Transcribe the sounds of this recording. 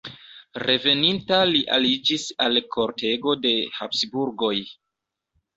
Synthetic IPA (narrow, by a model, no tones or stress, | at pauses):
re̞ve̞nintaliʔalid͡ʒisalkʰo̞ɾte̞ɡo̞de̞hapsbuɾɡo̞j